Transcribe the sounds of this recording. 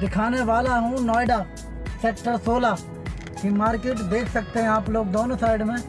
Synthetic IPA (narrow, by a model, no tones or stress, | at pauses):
d͡ʒ̪ɪkʰaːneːʋaːlaːɦũːnɔːɪɖaː | sɛːkʈəɾsoːlaː | kiːmaːɾkeːʈd̪eːkʰsək̚t̪eɦɛ̃ːaːploːk̚d̪oːnõːsaːɪɖmẽː